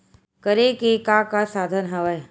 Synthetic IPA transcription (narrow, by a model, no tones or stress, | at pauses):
kəɾekekakasaːd̪ʱənɦəʋəj